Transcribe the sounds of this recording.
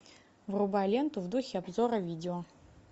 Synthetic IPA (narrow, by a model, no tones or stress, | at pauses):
vrubalʲent̪uvd̪uxʲɪabzoɾɐvʲidʲɪo